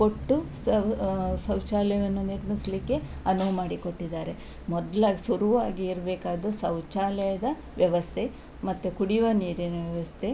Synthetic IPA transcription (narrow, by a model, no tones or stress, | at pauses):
koʈːu | sɐwt͡ʃaːlɛjɐʋɐnːuniɾmislikːe̞ɐnuʋmaːɽikoʈːid̪ːaːɾe̞ | mɔd̪ɐlaːɡisuɾuʋaːɡiːɾɐbeːkaːd̪usɐwt͡ʃaːlɛjɐd̪ɐ | ʋjɐʋɐst̪ʰe̞ | mɐt̪ːukuɽiʋɐniːɾinɐʋjɐʋɐst̪ʰe